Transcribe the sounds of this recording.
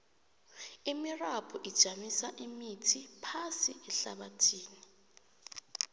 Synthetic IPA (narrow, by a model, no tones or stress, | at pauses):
imirapʰuʔid̥ʒ̥ʱamisaʔimitʰipʰasiɛɬaɓatʰiːni